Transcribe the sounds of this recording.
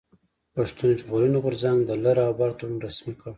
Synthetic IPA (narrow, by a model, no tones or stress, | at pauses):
paʂt̪und͡ʒɣulunoɣʊɾzaŋɡd̪əlaɾabɑɾt̪aumɾasmika